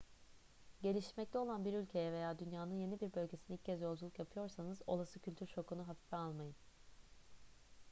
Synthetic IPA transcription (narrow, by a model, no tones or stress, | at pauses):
ɟe̞lʲiʃmɛc̚t̪ʰɛo̞lˠanbiɾylʲcʰe̞jɛve̞jaːd̪ynjaːnɯnje̞nibiɾbø̞lʲɟe̞sinilccʰːɛzjo̞lˠd͡ʒulˠukjapʰɯjo̞ɾsanɯzo̞lˠasɯcʰylʲt̪ʰyɾʃo̞kunuɦafi̥fɛalˠmajɯn